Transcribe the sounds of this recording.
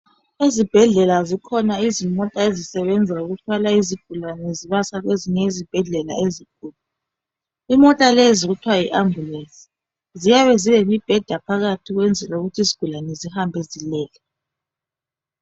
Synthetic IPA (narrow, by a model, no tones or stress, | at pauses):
ezib̥ʱɛɮɛlazikʰɔnaizimɔtʼaezisɛβɛnd͡zʱauɣutʰwalaiziɡ̥ʱulanɛziβasaɣweziɲɛizib̥ʱɛɮɛla̰eziɡ̥ʱuːlu | imɔtʼaleziɣutʰwaiʔamulensʼi̥ | zijaβɛziβemib̥ʱɛd̥ʱapʰaɣatʰiɣwɛnd͡zʱɛlauɣutʰiziɡ̥ʱulanɛzihambʱɛzilɛːlɛ